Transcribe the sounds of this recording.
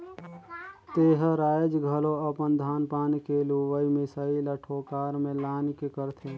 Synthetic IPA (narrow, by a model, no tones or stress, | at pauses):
t̪eːɦɾaːd͡ʒɡʱəlõɐpənd̪ʱaːnpaːnkeluʋəimɪsaːiləʈʰoːkaːɾmẽlaːnkekəɾt̪ʰeː